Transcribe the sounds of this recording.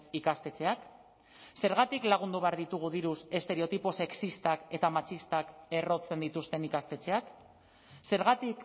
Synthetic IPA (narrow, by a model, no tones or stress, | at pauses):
ikast̪e̞t͡se̞ak | se̞ɾɣ̞at̪iklaɣ̞und̪uβe̞aɾðit̪uɣ̞uðiɾuse̞st̪e̞ɾe̞o̞t̪ipose̞ksist̪ake̞t̪amat͡ʃist̪ake̞ro̞t͡se̞nd̪it̪ust̪e̞nikast̪e̞t͡se̞ak | se̞ɾɣat̪ik